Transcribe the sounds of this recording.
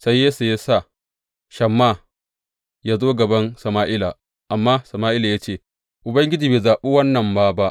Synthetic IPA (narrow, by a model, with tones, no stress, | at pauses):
sa˦jːeː˦su˨ja˦sa˦˨ | ʃɐ˨mːa˦˨ | jaː˦zoː˦ɡɐ˨bɐ˦nsɐ˨maː˦ʔɪ˦la˨ | ʔa˨mːaː˦sɐ˨maː˦ʔɪ˦la˨jaː˦t͡ʃeː˦˨ | ʔʊ˨bɐ˦ŋɡʲɪ˦d͡ʒiː˨beː˨zaː˨ɓu˦wɐ˦nːɐ˨mbaː˦ba˦ʔ